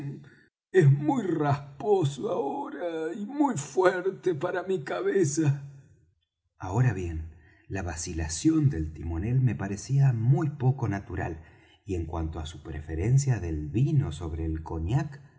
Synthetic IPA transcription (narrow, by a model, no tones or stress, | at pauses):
ezmujrasposoaoɾaimujfweɾt̪epaɾamikaβesa | ao̞ɾaβjen | laβasilasjo̞nd̪e̞lt̪imo̞ne̞lme̞paɾesiamujpo̞ko̞nat̪uɾa̰l | ie̞ŋkwa̰nt̪oasupɾefeɾe̞nsjaðe̞lβino̞so̞βɾeːlko̞ɲak